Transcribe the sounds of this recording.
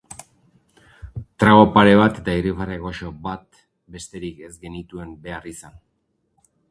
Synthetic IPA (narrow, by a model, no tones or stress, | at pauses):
t̪ɾaɣo̞paɾe̞β̞at̪e̞t̪airifareɣo̞ʃo̞βat̪ | be̞st̪e̞ɾike̞zɡe̞nit̪ue̞mbe̞arisan